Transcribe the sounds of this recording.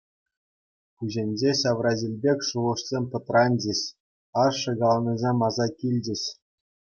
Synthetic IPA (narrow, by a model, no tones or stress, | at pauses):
puʑʲenʲd͡ʑeɕɑʋrɑzʲilʲbʲekʲʂuʁɤ̆ʂsʲemʲt̪ɤ̆t̪rɑnʲd͡ʑɘ̆ɕ | ɑʂɤ̆ɡɑlˠɑnʲɤzʲemʲɑzɑkʲilʲd͡ʑɘ̆ɕ